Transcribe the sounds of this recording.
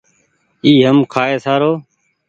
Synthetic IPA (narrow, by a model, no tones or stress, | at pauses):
iːɦəmkʰaːeːsaːɾoː